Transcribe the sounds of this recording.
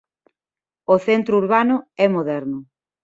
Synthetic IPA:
oθent̪ɾʊuɾβanʊɛmoðɛɾnʊ

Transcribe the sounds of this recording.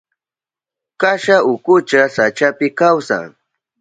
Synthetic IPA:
kaʃaʊkʊt͡ʃasat͡ʃapɪkawsa̰ŋ

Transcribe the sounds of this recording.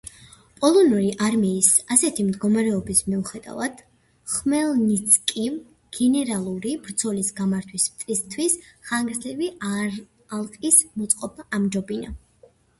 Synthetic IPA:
pʼɔlˠɔnuɾiʔaɾmiːsasɛt̪ʰimd̪ɡɔmaɾɛɔbismiuχɛd̪a̰vad̪̥ | χmɛlˠnit̪sʰkʼi | ɡ̥ɛnɛɾalˠuɾibɾd̪z̥ʰɔlisɡamaɾt̪ʰwismt̪sʼist̪ʰwisχaŋɡɾzlivi | alˠqʼismɔt̪sʼqʼɔbaʔːmd͡ʒɔbina̰

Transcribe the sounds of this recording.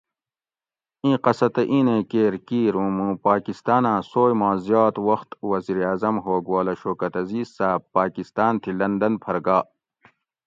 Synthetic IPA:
ĩːqɐsɐt̪ɐʔĩːnẽːkeːɾkiːɾũːmũːpaːkist̪aːnãːsoːjmãːzjaːt̪wɐxt̪wɐziːɾaːzɐmɦoːɡwaːlɐɕoːkɐt̪ɐziːzsaːb̚pːaːkist̪aːnt̪ʰilɐnd̪ɐnpʰɐɾɡaː

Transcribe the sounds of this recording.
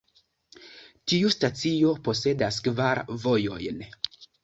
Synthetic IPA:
tiustat͡sio̞po̞se̞daskvaɾvo̞jo̞jn

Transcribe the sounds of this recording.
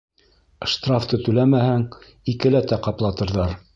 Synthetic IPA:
ʃt̪raft̪ɤt̪ɵlæmæhæŋ | ikɘ̆læt̪æqɑplˠɑt̪ɤ̆ɾðɑɾ

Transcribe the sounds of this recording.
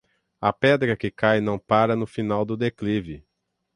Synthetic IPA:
ɐpɛd̪ɾɐkɪkajnɐ̃w̃paɾɐnʊfinawd̪ʊd̪eklivɪ

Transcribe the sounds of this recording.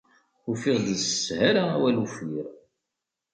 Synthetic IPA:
ufɪʁd̪əsəshæɾaæ̰wælufiɾ

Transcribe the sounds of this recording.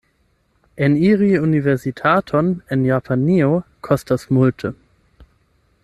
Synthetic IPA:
ʔɪniːʁiunivɛɐzitʰaːtʰɔnɪnjapʰaniokʰɔstasmʊltʰə

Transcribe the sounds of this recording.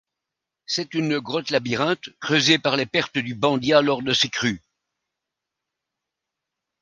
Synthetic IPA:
sɛt̪ynɡʁɔt̪labiʁɛ̃t̪kχøzepaʁlepɛʁt̪əd̪ybɑ̃d̪jalɔʁd̪əsekχy

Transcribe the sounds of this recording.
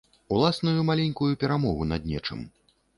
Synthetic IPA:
ulˠasnujumalʲɛnʲkujupʲɛɾamɔɣunɐ̰d̪̚nʲɛt͡ʂɨ̰m

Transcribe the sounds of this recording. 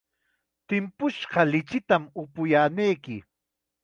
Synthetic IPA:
t̪ɪmpʊʃɢɑlɪt͡ʃɪt̪amʊpʊjaːnejkɪ

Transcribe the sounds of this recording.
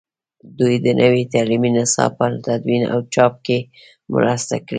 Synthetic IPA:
d̪ujd̪ənʔəwit̪aliminasɑ̰pət̪ad̪wina̰wt͡ʃɑp̚ke | mʊ̰ɾɑst̪a̰kɽi

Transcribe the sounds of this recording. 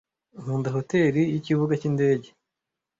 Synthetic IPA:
nhuːndaɦo̞te̞ːɾijiciβuɡacinde̞ːɟe̞

